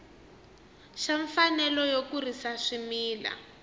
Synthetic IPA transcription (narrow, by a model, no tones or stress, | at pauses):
ʃaɱfanɛlɔjokurisaʂimiːla̰